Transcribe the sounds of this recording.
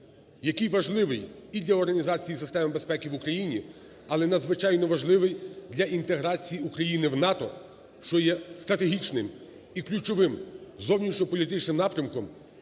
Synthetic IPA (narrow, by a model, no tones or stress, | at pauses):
jɐkɪjʋɐʒlˠɪʋɪjid̪lʲɐɔrɦɐnʲizɑt͡sʲijisɪst̪ɛmbe̞spɛkʲiʋukɾɐjinʲi | ɐlˠɛnɐd̪zʋɪt͡ʃɑjnɔʋɐʒlˠɪʋɪjd̪lʲɐʔint̪e̞ɦɾɑt͡sʲijiukɾɐjinɪwnɑt̪ɔ̰ | ʃt͡ʃɔjɛst̪ɾɐt̪eɦʲit͡ʃnɪm | iklʲut͡ʃɔʋɪmzɔwnʲiʃɲʲɔpɔlʲit̪ɪt͡ʃnɪmnɑpɾʲɐmkɔm